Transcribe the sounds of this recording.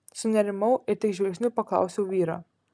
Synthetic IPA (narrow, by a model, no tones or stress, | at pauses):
sʊnʲɛɾʲɪmɐʊɪɾt̪ʲɪkʒʲʋʲɛlksʲnʲʊpɐklˠɐ̰ˑʊsʲɛʊʋʲiːɾɑ̰ː